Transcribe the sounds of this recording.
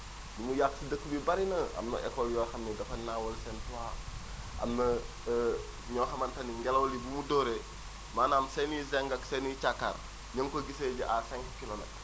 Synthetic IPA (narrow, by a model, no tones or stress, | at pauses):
dumujaksidəkːubibaɾinɐʔɐ̰mnɐ̰ʔɛ̰koljɔːxɐmːiɡɐfɐnawolsɛntua | ʔɐ̰mnə | ɲɔːxɐmɐntɐniŋɡelowlibumudoɾe | maːnaːmsenizeŋɡɐksenit͡ʃakːa̰ːɾ | ɲəŋkoɡiseɟiʔasɛŋkkilomḛt